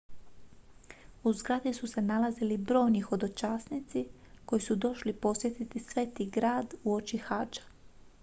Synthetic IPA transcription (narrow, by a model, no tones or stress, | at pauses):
uzɡɾad̪isusenalazilibɾo̞ːjnixo̞d̪o̞t͡ʃaːsnit̪si | ko̞jisud̪o̞ʃlipo̞sʋje̞t̪it̪isʋeːt̪iɡɾaːd̪uo̞t͡ʃixaːd͡ʒḁ